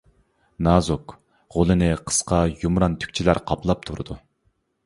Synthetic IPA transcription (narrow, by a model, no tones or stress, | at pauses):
nɑzuk | ʁolˠɨnɨqʰə̥sqʰɑjumɾɑnt̪ʰy̥kʲt͡ʃʰilæɾqʰɑplˠɑp̚t̪ʰuɾɨd̪u